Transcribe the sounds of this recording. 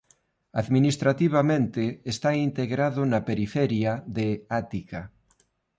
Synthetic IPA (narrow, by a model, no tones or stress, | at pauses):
aðminist̪ɾat̪iβ̞amẽnt̪ɪːst̪aint̪eɣɾaðʊnapeɾifɛɾjaðeat̪ika